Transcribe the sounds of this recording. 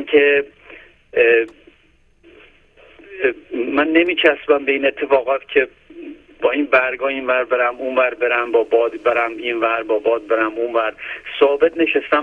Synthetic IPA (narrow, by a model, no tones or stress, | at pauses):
mkʰe̞ | mænːe̞miːt͡ʃʰæsbæmbe̞iːne̞t̪ʰːe̞fɒːɣɒːt̪cʰe̞ | bɒːinbæɾɡɒːinvæɾbe̞ɾæmunvæɾbe̞ɾæmbɒːbɒːd̪be̞ɾæminvæɾbɒːbɒːd̪̚be̞ɾæmunvæɾsɒːbet̪̚ʰne̞ʃest̪æ